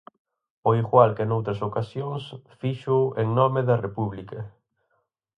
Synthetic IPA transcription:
oiɣwalkenowt̪ɾɐsokasjoŋsfiʃʊʔeŋnɔmeðɐrepuβlikɐ

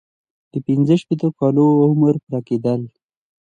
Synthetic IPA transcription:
d̪̥əpinzəʃpet̪okɑloʊməɾpɾɑked̪əl

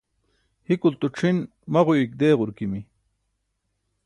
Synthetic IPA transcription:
hikult̪uʈ͡ʂʰin | mɐʁuik̚d̪eːʁʊɾkimi

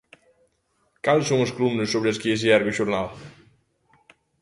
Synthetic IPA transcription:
kalˠsoŋesklumnəsoβɾeskieziɛɾɣeʒuɾnalˠ

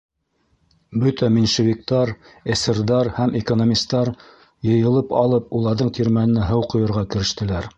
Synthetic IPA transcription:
bɵt̪æminʃevʲik̚t̪ɑɾ | æsɘ̆ɾðɑɾhæmʔekonomʲist̪ːɑɾ | jɤ̆jɤ̆lˠɤpɑ̰lˠɤp̚ulˠɑɾðɤɴt̪iɾmælɘ̆næɦɤwqŏjɤ̆ɾʁɑkɘ̆ɾɘ̆ʃt̪ɘ̆læɾ

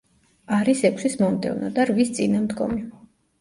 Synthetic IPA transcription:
aɾisɛkʷʰsismɔmd̪ɛ̰vna̰d̪aɾvist̪sʼinamd̪ɡɔ̰mi

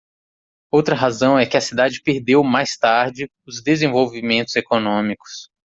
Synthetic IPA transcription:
owt̪ɾɐɦazɐ̃w̃ɛkɪɐsid̪ad͡ʒɪpeɾd̪ewmajst̪aɾd͡ʒɪ | ʊzd̪ezẽvowvimẽnt̪ʊz̥ekonõmikʊ̥s

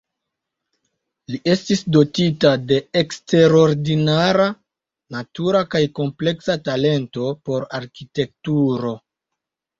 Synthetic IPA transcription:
liʔe̞stisdo̞titade̞ekste̞ɾo̞ɾdinaɾa | natuɾakajko̞mple̞ksatale̞nto̞po̞ɾaɾkite̞k̚tuɾo̞

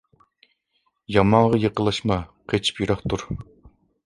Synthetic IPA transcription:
jɑmɑŋʁɑjeqəlˠɑʃmɑqʰet͡ʃʰi̥pjyɾɑχt̪uɾ

